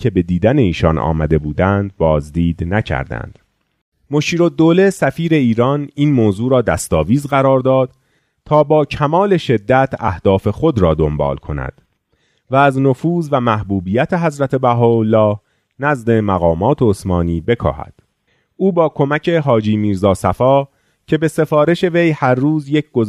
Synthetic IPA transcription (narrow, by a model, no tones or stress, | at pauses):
cʰe̞be̞d̪iːd̪æneiːʃɒnʔɒ̰ːmæd̪e̞buːd̪ænd̪̚bɒːzd̪iːd̪næcʰæ̰ɾd̪æ̰nd̪̥ | moʃiːɾo̞d̪ːoːle̞sæfiːɾe̞iːɾɒːniːnmoːzuːɾɒːd̪æst̪ɒːviːzɢæɾɒːɾd̪ɒːd̪̥ | t̪ʰɒːbɒːcʰæmɒːle̞ʃe̞d̪ːæt̪ʰæhd̪̥ɒːfe̞xo̞d̪ɾɒːd̪o̞mbɒ̰ːlkʰo̞næ̰d̪̥ | væːznofuːzvæmæhbuːbiːjæt̪ʰe̞ɦæzɾæt̪ʰe̞bæɦɔːolːɒːh | næzd̪e̞mæɣɒːmɒːt̪ʰeosmɒːniːbe̞kʰɒ̰ːhæ̰d̪̥ | uːbɒːkʰo̞mæcʰe̞ɦɒːd͡ʒiːmiːɾzɒːsæfɒː | cʰe̞be̞se̞fɒːɾe̞ʃe̞ve̞jhæɾːuːzje̞cʰɡ̥o